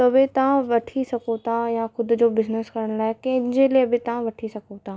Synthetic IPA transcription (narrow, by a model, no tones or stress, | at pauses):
t̪ɐʋet̪ɐʋãʋɐʈʰisɐkõt̪ʰajaxʊd̪ʊ̆d͡ʑoːbɪzneskɐɾəɽ̃ʊlaːɪkɐ̃ɦɪ̃d͡ʑeliəbɪt̪ɐʋ̤ãʋɐʈʰisɐkõt̪ʰaː